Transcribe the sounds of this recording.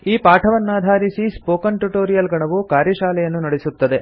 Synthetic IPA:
iːpaːʈʰɐʋɐnːaːd̪ʱaːɾisispoːkɐnʈuʈoːɾijɐlɡɐɳɐʋukaːɾjɐʃaːlɛjɐnːunɐɽesut̪ːɐd̪e̞

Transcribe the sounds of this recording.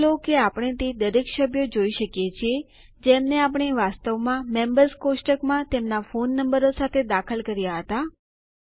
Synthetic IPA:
lokeapɽ̃et̪ed̪əɾekʃəbʱjod͡ʒoiʃəkjet͡ʃʰie | d͡ʒemneap̬əɳ̃eʋast̪əʋmãmembəɾskosʈəkmãt̪emnafonːəmbəɾosat̪ʰed̪akʰəlkəɾjaɦət̪a

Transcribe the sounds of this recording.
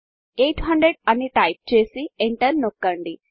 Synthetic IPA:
eːʈʰɦɐɳɖɾeɖɐnːiʈɐjp̚t͡ʃe̞ːsieɳʈɐɾnokːɐɳɖi

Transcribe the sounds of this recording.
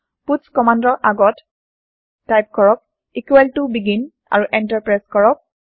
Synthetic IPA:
putskɔmandɔɹʔaɡɔtː | ajp̚kɔɹɔk̚ | ikuɛltubiɡin | a̰ɹuʔɛntaɹpɹajskɔɹɔk̚

